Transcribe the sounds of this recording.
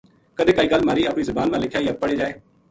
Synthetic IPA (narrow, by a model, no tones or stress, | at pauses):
kəd̪eːkəiːɡəlmaːɾiːapɽ̃iːzəbaːnmãːlɪkʰjaːiːəpəɽeːd͡ʒaːeː